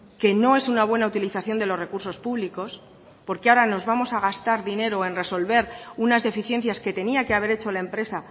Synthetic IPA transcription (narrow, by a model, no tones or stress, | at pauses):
ke̞no̞e̞sunaβwe̞naut̪iliθaθjo̞nd̪e̞lo̞zre̞kuɾso̞spuβliko̞s | po̞ɾkeaoɾano̞zβamo̞saɣ̞ast̪aɾðine̞ɾoe̞nre̞so̞lβe̞ɾunazðe̞fiθje̞n̟θjaske̞t̪e̞niakeaβ̞e̞ɾe̞t͡ʃo̞lae̞mpɾe̞sa